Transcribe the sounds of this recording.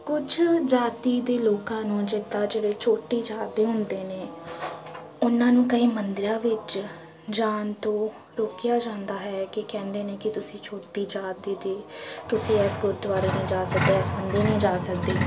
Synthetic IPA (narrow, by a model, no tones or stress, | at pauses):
kʊd͡ʒʰd͡ʒaːt̪iːd̪eːloːkãːnũːd͡ʒɪt̪ːaːd͡ʒeːɽeːt͡ʃʰoːʈːiːd͡ʒaːd̪eːɦʊnd̪eːneː | ʊnãːnũːkəĩːmənd̪ɪɾãːʋɪt͡ʃ | d͡ʒaːnt̪õː | ɾoːkjaːd͡ʒãːnd̪aːɦɛːkɪkɛ̃ːnd̪eːneːkɪt̪ʊsĩːt͡ʃʰoːʈt̪iːd͡ʒaːd̪eːd̪eːt̪ʊsĩːɛːsɡʊd̪ʋaːɾeːnẽːd͡ʒaːsəkd̪eːɛːsbənd̪iːnĩːd͡ʒaːsək̚d̪iː